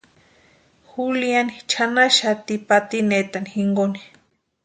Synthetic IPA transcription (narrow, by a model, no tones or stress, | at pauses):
xulianit͡ʃʰanaʃat̪ipat̪inet̪anixiŋɡoni̥